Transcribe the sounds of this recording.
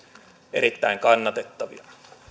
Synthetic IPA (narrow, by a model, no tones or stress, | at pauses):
eɾit̪ːæiŋkɑnːɑt̪et̪ːɑʋḭɑ